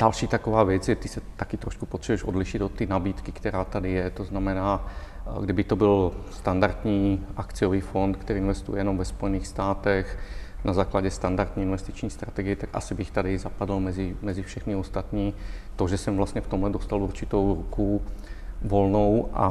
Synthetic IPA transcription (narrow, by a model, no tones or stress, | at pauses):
d̥alʃiːt̪akovaːvjɛt͡sjɛt̪ɪsɛt̪akɪt̪ɾoʃku̥pot̪r̥ɛbɛʃʔodlɪʃɪt̪ot̪ːinabiːt̪kikt̪ɛɾaːt̪adɪjɛt̪oznamɛnaː | ɡdɪbɪt̪obɪlst̪andaɾt̪ɲiːʔakt͡sɪjoviːfont̪kt̪ɛɾiːnvɛst̪ṵjɛjɛnomvɛspo̞jɛniːxst̪aːt̪ɛxnʔazaːklaɟɛst̪andaɾt̪ɲiːinvɛst̪it͡ʃɲiːst̪ɾat̪ɛɡɪjɛt̪akʔa̰sɪbɪxt̪adɪzapadl̩mɛzɪmɛzɪfʃɛxnɪost̪at̪ɲiːt̪oʒɛsɛmvlast̪ɲɛft̪omlɛd̪ost̪aluɾt͡ʃɪt̪owɾuku | volnowʔa̰